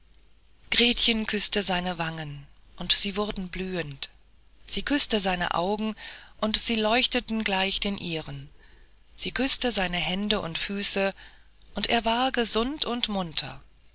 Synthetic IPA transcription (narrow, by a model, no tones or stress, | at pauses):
ɡ̥ʁeːtçənkʰʏstəzaɪnəvaŋənʔʊntz̥iːvʊʁdn̩blyːənt | z̥iːkʰʏstəzaɪnə̰ʔa̰ʊɡŋ̩ʔʊntz̥iːlɔʏçtətn̩ɡlaɪçd̥eːnʔiːʁən | z̥iːkʰʏstəzaɪnəɦɛndəʔʊ̰ntfyːsə | ʔʊntʔḛːɐvaːɐɡəzʊntʰʊntmʊntʰɐ̰